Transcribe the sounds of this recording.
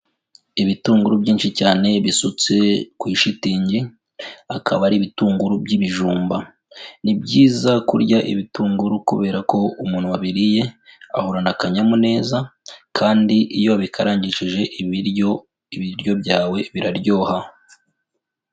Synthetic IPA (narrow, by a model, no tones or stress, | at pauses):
iβituːŋɡuɾubɟiːnʃicaːne̞βisut͡se̞kwiːʃitiːɲɟi | akʰaβaɾiβituːŋɡuɾubɟiβiʒuːmba | nibɟiːzakuɾɟaʔḭβituːŋɡuɾukuβe̞ːɾako̞umuːn̥huwaβiɾije̞a̰hoɾanakaɲamune̞ːzakʰaːndiʔijo̞βikʰaɾaːɲɟiʃiʒe̞ʔiβiɾo | iβiɾjo̞bɟaːwe̞βiɾaɾɟo̞ːha